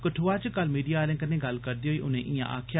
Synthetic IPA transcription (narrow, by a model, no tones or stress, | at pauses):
kəʈʰoːaːt͡ʃkəlmiːɖijaːlẽːkənẽːɡəlkəɾd̪iːɦoːiːʔʊnẽːʔɪjã̰ːʔa̰ːkʰjaː